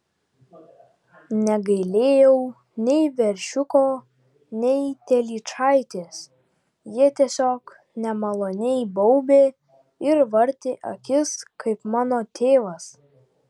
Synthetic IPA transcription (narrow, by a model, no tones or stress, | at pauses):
nʲɛɡɐɪlʲeːjɛʊ | nʲɛɪʋʲɛɾʲʃʲʊkoː | nʲɛɪt̪ʲɛlʲiːt͡ʃɑˑɪt̪ʲeːs | jiɛt̪ʲiɛsʲoːk | nʲɛmɐlˠoːnʲɛɪbɔʊbʲeː | ɪɾʋɐɾʲt̪ʲeːʔɐkʲɪskʰɐɪpmɑːnoːt̪ʲeːʋɐs